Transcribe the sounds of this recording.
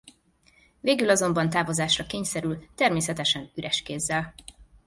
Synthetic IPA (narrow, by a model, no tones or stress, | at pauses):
veːɡylɒzo̞mbɒnt̪aːvo̞zaːʃrɒkeːɲsɛɾylt̪ɛrmeːsɛt̪ɛʃɛnyɾʔɛʃkeːzːɛl